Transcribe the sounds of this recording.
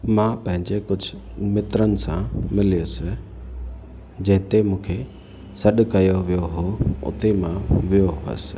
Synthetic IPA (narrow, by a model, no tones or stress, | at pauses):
mãpɐ̃ɦɪ̃ɲd͡ʑekʊd͡ʑʱʊ | mɪt̪ɾənɪ̆sãmɪliʊsɪ | d͡ʑɐ̃ɦɪ̃t̪emũːkʰe | sɐɗkɐjoʋijoɦoʊ̰t̪emãʋijoɦʊə̰sɪ̥̆